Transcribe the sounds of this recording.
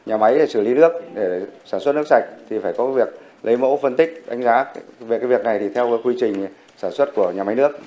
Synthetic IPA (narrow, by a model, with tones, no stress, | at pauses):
ɲaː˨˩ma˨˦je˧˩sɨ˧˩li˨˦nɨ˦˥ək̚ɗe˧˩saː˧˩nsə˦˥t̚nɨ˦˥ək̚sa˨˩jk̟̚t̪ʰi˨˩faː˧˩jkɔ˨˦vi˨˩ək̚ | lə˨˦jmo̰˧˥fə˧nt̪ï˦˥k̟̚ɗa˨˦jŋ̟zaː˨˦ve˨˩kaː˨˦vək̚na˨˩jt̪ʰi˨˩t̪ʰɛ˧wkwi˧t͡ɕï˨˩ŋ̟ | saː˧˩nswə˦˥t̚ku˧˩əɲaː˨˩ma˨˦jnɨ˦˥ək̚